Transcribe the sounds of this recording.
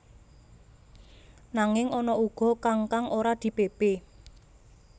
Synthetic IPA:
naŋɪŋɔnɔuɡ̥ɔ̤kaŋkaŋʔoɾad̪̥i̤b̥eb̥e

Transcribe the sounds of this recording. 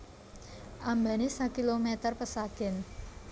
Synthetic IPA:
ʔambanesakilomet̪ərpəsaɡ̥ɛn

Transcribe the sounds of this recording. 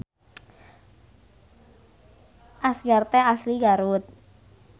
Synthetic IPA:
ʔasɡart̪ɛasliɡaɾut̪̚

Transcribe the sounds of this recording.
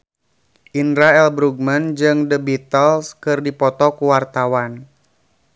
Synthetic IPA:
ʔinɾaɛlbɾuɡ̚mənd͡ʒɨŋdəbit̪əlskɨrdipɔt̪ɔkuwart̪awan

